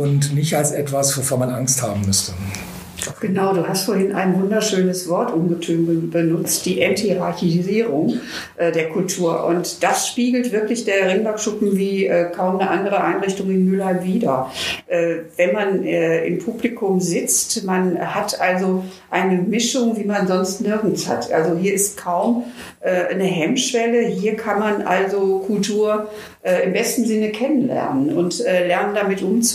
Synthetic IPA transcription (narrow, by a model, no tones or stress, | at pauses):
ʔʊntnɪçtalsʔɛtv̥asv̥ofoːɐmanʔaŋstha̰ːbm̩mʏstə | ɡ̥ənaʊduːhastfoɐɦɪnʔa̰ɪnvʊndɐʃøːnəsv̥ɔɐtʔʊmɡətʰøːnəbənʊt͡std̥iːʔɛnthiʁaɐçiziːʁʊŋ | ʔɛːdeːɐkʰʊltʰuːɐʔʊ̰ntd̥asʃpiːɡl̩tv̥ɪɐklɪçd̥eːɐʁɪŋlakʃʊpm̩viːʔɛːkʰaʊmnəʔandəʁ̞əʔaɪnʁɪçtʊŋɪnmʏlhaɪmviːdɐʔɛːvɛnmanɛːʔɪ̰mpʰublikʰʊmzɪt͡stmanhatʔalzoʔaɪnəmɪʃʊŋviːmanzɔnstnɪɐɡn̩sha̰tʔa̰lzoɦiːɐɪst̚kʰaʊm | ʔɛːnəɦɛmʃv̥ɛləɦiːɐkʰanmanʔa̰lzokʰʊltʰuːɐ | ʔɛːɪmbɛstn̩zɪnəkʰɛnənlɛ̰ɐnənʊntʔɛːlɛɐnəndamɪtʔʊmt͡s